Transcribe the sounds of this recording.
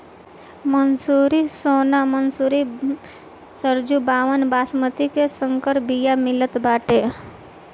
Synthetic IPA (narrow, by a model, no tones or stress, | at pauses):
mənsuɾisonamənsuɾi | səɾd͡ʒubaʋənbasmət̪ikesəŋkəɾbijamɪlət̪baʈe